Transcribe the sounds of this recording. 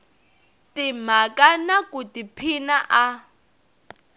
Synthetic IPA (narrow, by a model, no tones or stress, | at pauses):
tim̤akanakutipʰinaʔa